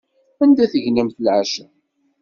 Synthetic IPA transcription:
ænd̪æθəʝnimθlʕaʃə

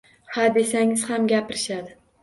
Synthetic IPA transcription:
had̪e̞saŋɪz̥hamɡʲapɪɾɪʃad̪ɪ

